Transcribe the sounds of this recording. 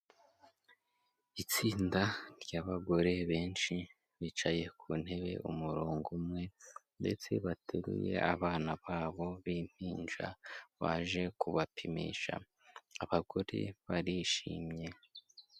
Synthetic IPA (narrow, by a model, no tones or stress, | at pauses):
it͡siːndaɾɟaβaɡo̞ɾe̞βe̞ːnʃi | βiːt͡ʃaje̞kʰun̥he̞βe̞̰ʔumuɾuːŋɡumŋe̞nde̞̰t͡se̞̰βatʰeɾṵje̞̰ʔaβaːnaβaːβo̞βim̥hiːnd͡ʒa̰βa̰ʒe̞kuβapʰimḭːʃa̰ | aβaɡ̥oɾḭβaɾiʃḭːmɲe̞